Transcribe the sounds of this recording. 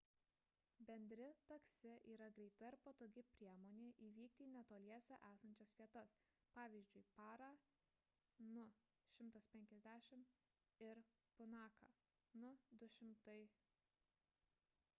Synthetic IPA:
bʲɛnʲd̪ʲɾʲɪt̪ɐksʲɪʔiːɾɐɡɾʲɛɪt̪ɐɪɾpot̪oːɡʲɪpʲɾʲiɛmoːnʲeːʔiːʋʲiːkt̪ʲiːnʲɛt̪oːlʲiɛsʲɛʔæːsɐnʲt͡ʃʲosʋʲiɛt̪ɐs | pɑːʋʲiːzʲd͡ʒʲʊɪpɑːɾɑː | nʊ | ʃʲɪmt̪ɐspʲɛŋʲkʲɛzʲd̪ʲæːʃʲɪm | ɪɾ | pʊnɑːkɑ̰ː | nʊd̪ʊʃʲɪmt̪ɐɪ

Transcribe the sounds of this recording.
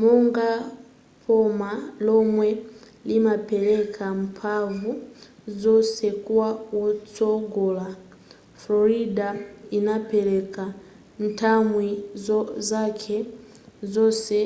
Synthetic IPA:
mɔŋɡa | pʰɔmalɔmwɛ | limapɛlɛkʰam̩pʰavu | zɔsɛkuwawɔt͡sɔɡɔla | flɔɾidainapɛlɛka | n̩tʰamwizɔzakʰɛ | zɔsɛ

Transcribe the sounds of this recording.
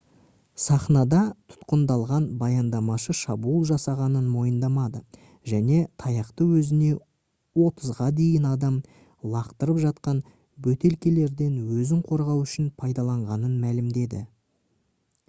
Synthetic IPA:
sɑχnɑd̪ɑt̪ʰʊ̥t̪qənd̪ɑlˠʁɑnbɑjɑnd̪ɑmɑʃəʃɑbulˠʒɑsɑʁɑnənmo̞jənd̪ɑmɑd̪ə | ʒæne̞t̪ʰɑjɑqt̪əwɵzɪne̞ | wo̞t̪əzʁɑd̪e̞jɪnɑd̪ɑm | lˠɑqt̪əɾəpʒɑt̪qɑn | bɵt̪e̞lkʲe̞le̞ɾd̪e̞nwɵzɪŋqʰo̞ɾʁɑwʏʃɪnpʰɑjd̪ɑlˠɑɴʁɑnənmælɪmd̪e̞d̪ɪ̰

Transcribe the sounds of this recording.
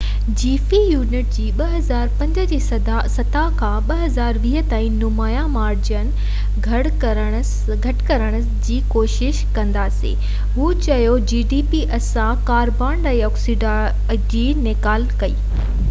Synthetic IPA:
d͡ʑiːfijuːnɪʈ̚d͡ʑiːɓɐɦɐzaːɾpɐ̃ɲd͡ʑə̆d͡ʑeːɐasɐt̪akʰãːɓɐɦɐzaːɾʋiːɦə̆t̪aːĩnʊmaːjamaːɾd͡ʑənɪ̆ | ɡʱɐɽ | ɾəɽ̃ | ɡʱɐʈkɐɾəɽ̃əsd͡ʑiːkoːʃɪʃkɐ̃nd̪aːsḛː | ɦuːt͡ɕɐjod͡ʑiːɖiːpiʔɐsãkaːɾbãːɳɖaiɔːksiɖa | d͡ʑiːnɪkaːlkɐiː

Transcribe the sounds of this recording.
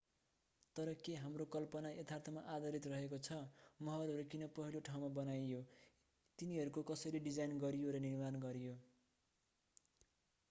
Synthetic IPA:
t̪ʌɾʌkeɦamrokʌlpʌnaʔet̪ʰart̪ʰʌmaʔad̪ʌɾit̪rʌɦekot͡sʰʌmʌɦʌɾɦʌɾukinʌpʌɦiloʈʰawmabʌnajjo | t̪iniɦʌɾukokʌsʌɾiɖid͡zajnɡʌɾijoɾʌnirmanɡʌɾijo

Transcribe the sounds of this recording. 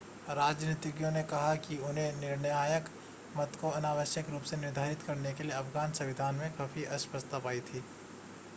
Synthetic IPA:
ɾaːd͡ʒniːt̪ɪɡjõnekɐɦakiʊnɦẽnɪɾnəjaːjək | mɐt̪koɐnaːʋəʃjəkɾuːpsenɪɾd̪ʱaːɾɪt̪kɐɾnekelijeɐfɡaːnsɐʋɪd̪ʱaːnmẽxaːfiʔɐspəst̪apaːit̪ʰiː

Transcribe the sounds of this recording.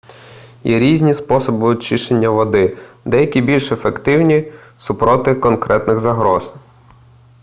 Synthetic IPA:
jɛɾʲizʲnʲispɔsɔbɪt͡ʃɪʃenʲːɐʋɔd̪ɪd̪ɛjɐkʲibʲilʲʃefekt̪ɪwnʲisʊpɾɔt̪ɪkɔnkɾʔɛt̪nɪɣzɐɦɾɔz

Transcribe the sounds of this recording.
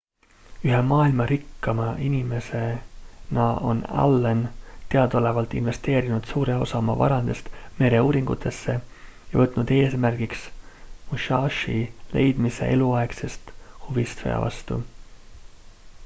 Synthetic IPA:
yɦemɑːilmɑɾikːɑmɑʔinime̞se̞nɑo̞̰nɑ̰lːent̪e̞ɑd̪̥ole̞vɑlt̪ːˑḭnve̞st̪e̞ːɾinud̪̥suːɾe̞o̞̰sɑmɑvɑ̰ɾɑnd̪̥e̞st̪me̞ɾe̞uːɾiŋɡ̥ut̪ʰːˑe̞sːe̞jɑ̰vɤt̪ːˑnud̪̥e̞ːsmærɡ̥iksmuʃɑːʃḭle̞jd̪̥mise̞̰ʔe̞̰luɑe̞kse̞st̪huvist̪fḛjɑ̰vɑ̰st̪ṵ

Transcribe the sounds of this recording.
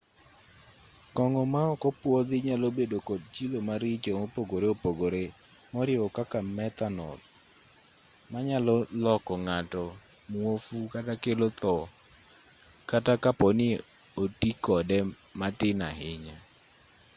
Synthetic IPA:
kɔŋɔmaɔkɔpwɔd̪ɪɲalobedokɔd̚t͡ʃilomaɾɪt͡ʃomopoɡoɾeopoɡoɾe | mɔɾjɪɔkakamɛt̪anɔ̰l | maɲalɔlɔkɔŋatɔ | mwofukatakelot̪ɔ | katakapɔnɪ | otikɔdɛ | matɪna̰ɦɪɲa

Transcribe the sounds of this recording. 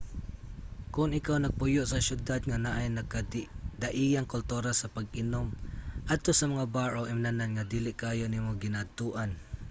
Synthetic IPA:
kʊnɪkawnɐɡ̚pʊjʊʔsɐʃjʊd̪ad̪̚ŋanaʔajnɐkad̪ɐʔijaŋkʊlt̪uɾasɐpɐɡʔɪnomʔad̪̚t̪osɐmɐŋabaːɹowʔɪmnananŋad̪iːlɪʔkaːjonimoɡɪnad̪̚t̪uʔan

